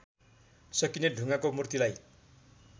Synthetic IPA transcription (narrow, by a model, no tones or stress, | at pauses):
sʌkineɖʱuŋakomurt̪ilaj